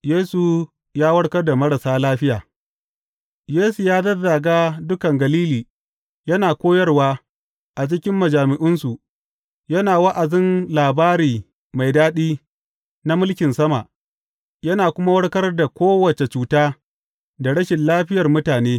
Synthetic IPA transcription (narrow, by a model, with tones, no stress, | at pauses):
jeː˦su˨ | jaː˦wɐ˦ɽkɐ˦rda˨mɐ˦ɽɐ˨saː˦laː˦ɸɪ˦jaː˨ | jeː˦su˨jaː˦dɐ˦da˨ɡaː˦dʊ˦kɐ˨ŋɡɐ˨liː˦liː˨ | jɐ˦naː˨kʷoː˦jɐ˦rwaː˦ | ʔa˨t͡ʃɪ˦kʲɪ˦mːɐ˨d͡ʒaː˨mɪ˨ʔɪ˦nsu˨ | jɐ˦naː˨wɐ˦ʔa˨zɪ˦nlaː˨baː˦ɾiː˨ | ma˨jdaː˦ɗiː˦ | na˦mʊ˦lkʲɪ˨nsɐ˦ma˨ʔ | jɐ˦naː˨kʷʊ˦ma˦wɐ˦ɽkɐ˦rda˨kʷoː˦wɐ˨t͡ʃe˨t͡ʃuː˨taː˦ | da˨ɽɐ˦ʃɪ˨nlaː˦ɸɪ˦jɐ˨rmʊ˦taː˨neː˦